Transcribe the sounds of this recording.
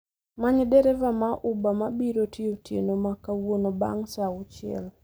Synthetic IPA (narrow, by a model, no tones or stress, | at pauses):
maɲɛdɛɾɛvamaʔʊbamabiɾotʰiotḛnomakawonoba̰ŋsaʊt͡ʃɪɛ̰l